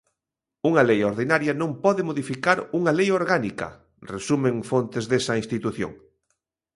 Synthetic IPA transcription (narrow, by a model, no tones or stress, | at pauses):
uŋɐlejoɾðinaɾjɐnõmpɔðɪmoðifikaɾuŋalejoɾɣanikɐ̰ | resumẽŋfont̪ezðesɐĩnst̪it̪uθjo̰ŋ